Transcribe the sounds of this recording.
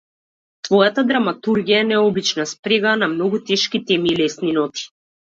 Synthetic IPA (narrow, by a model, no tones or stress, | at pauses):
svɔjat̪ad̪ɾamat̪uɾɡijaɛnɛɔbit͡ʃnaspɾɛɡanamnɔɡut̪ɛʃkit̪ɛmiːlɛsninɔt̪i̥